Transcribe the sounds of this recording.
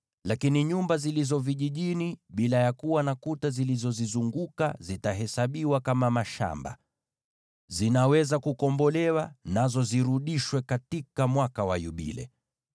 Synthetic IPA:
lakiniɲumbazilizɔviʄiʄiniɓilajakuwanakutazilizɔzizuŋɡuka̰zitaɦɛsaɓiwakamamaʃa̰mba̰ | zinawɛzakukɔmbɔlɛwanazɔziɾuɗiʃwɛkatikamwakawajuɓḭlɛ̰

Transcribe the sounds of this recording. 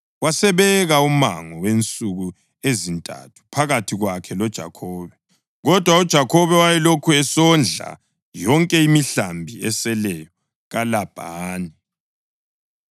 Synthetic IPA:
wasɛβɛɣauma̰ŋɔwent͡sʼuɣu | ezintʼa̰tʰu̥pʰaɣatʰiɣwakʰɛlɔd̥ʒ̥ʱa̰kʰɔːβɛ | ɣɔd̥ʱwaud̥ʒ̥ʱakʰɔβɛwajɛlokʰuɛsɔnd͡ɮʱa̰ | jɔŋkʼɛimiɬambʱiɛ̰sɛlɛjɔ | ɣalab̥ʱaːni

